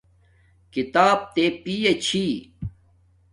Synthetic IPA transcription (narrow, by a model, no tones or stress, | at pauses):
kit̪aːb̚t̪eːpiːet͡ɕʰi